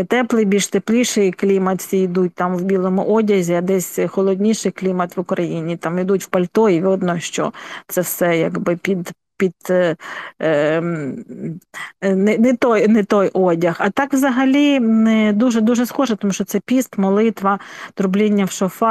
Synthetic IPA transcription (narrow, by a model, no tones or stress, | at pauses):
t̪ɛplˠɪbʲilʲʃt̪eplʲiʃɪjklʲimɐt̪sʲiid̪ut̚ʲt̪ɑmwbʲilˠɔmʊʔɔdʲɐzʲiɐd̪ɛsʲxɔlˠɔd̪ʲnʲiʃɪjklʲimɐt̪ʋʊkɾɐjinʲit̪ɑmid̪utʲwpɐlʲt̪ɔjiʋʲɔd̪nɔʃt͡ʃɔ̰t̪sɛwsɛjɐɡbɪpʲid̪ | pʲid̪ | nɛnɛt̪ɔjnɛt̪ɔjʔɔdʲɐxɐt̪ɑkʋzɐɦɐlʲid̪uʒɛd̪uʒɛsxɔʒɛt̪ɔmuʃt͡ʃɔtsɛpʲist̪mɔlˠɪt̪ʋɐt̪ɾʊblʲinʲːɐwʃɔfɑ